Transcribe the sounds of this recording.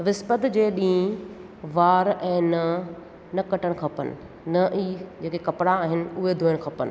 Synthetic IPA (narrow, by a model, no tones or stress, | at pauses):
ʋɪspət̪d͡ʑeːɗĩː | ʋaːɾɛ̃ːnɐ | nɐkɐʈəɽ̃kʰɐpənɪ̰̆ | nɐʔiːd͡ʑeːkekɐpɪɽaːɦɪnɪ̆ʊɦed̪ʱuːjəɽ̃ɪ̆kʰɐpənɪ̰̆